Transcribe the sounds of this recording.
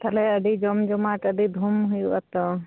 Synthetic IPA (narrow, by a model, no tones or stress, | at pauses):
t̪alɛəɖid͡ʒɔmd͡ʒɔmaʈəɖ̪id̪ʱumɦujuba̰t̪ɔ